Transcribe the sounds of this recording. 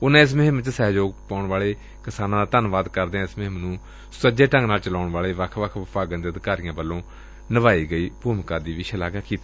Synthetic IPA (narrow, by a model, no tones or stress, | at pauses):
ʊnãːɪs̬mɪɦmt͡ʃsɛːd͡ʒoːɡ̚paːʊɳʋaːɭeː | kɪsaːnãːd̪aːt̪ənʋaːd̪kəɾd̪eːɛ̃ːɪsmɪɦmnũː | səd͡ʒeːʈə̃ŋɡnaːlt͡ʃəlaːʊɳʋaːleːʋəkʰʋəkʰʋəpʰaːɡə̃nd̪iːəd̪ɪkaːɾɪjãːbəlːõː | nəʋaːiːɡəiːbuːmkãːd̪iːʋɪːʃəlaːɡaːkiːt̪i